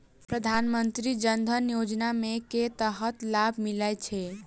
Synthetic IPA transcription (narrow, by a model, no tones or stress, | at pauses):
pɾəd̪ʱanmənt̪ɾid͡ʒənd̪ʱənjod͡ʒnameket̪əɦət̪labʱmilajt͡ʃʰɛ